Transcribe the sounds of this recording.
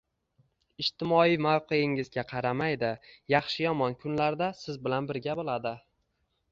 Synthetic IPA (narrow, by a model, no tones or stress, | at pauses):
ɪʃt̪ɪmɒijmawqʰeɪŋɪzɡʲaqʰɑɾamajd̪ɪjɑχʃɪjɒmɒnkʰʊnlaɾd̪asɪzbɪlanbɪɾɡʲabolˠad̪ɪ